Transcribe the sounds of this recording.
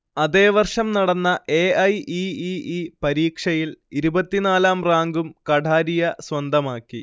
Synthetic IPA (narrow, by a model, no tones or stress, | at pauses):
ɐðe̞ːʋɐrʂɐmnɐɽɐnːɐʔeːɐjiiipɐɾiːkʂɐjiliɾubɐt̪ːinaːlaːmraːŋɡumkɐɽaːɾijɐswɐnd̪ɐmaːkːi